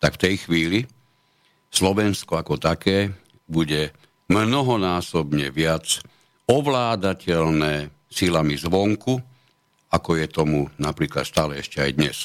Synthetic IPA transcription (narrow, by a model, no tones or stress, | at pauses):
t̪akft̪ɛjxʋiːli | slɔʋɛnskɔakɔt̪akɛː | buɟɛ | mnɔɦɔnaːsɔbɲɛʋɪat͡s | ɔʋlaːd̪acɛlnɛː | silamizʋɔŋku | akɔjɛt̪ɔmunapɾiːklat̪st̪aːlɛɛʃcɛa̰jd̪ɲɛs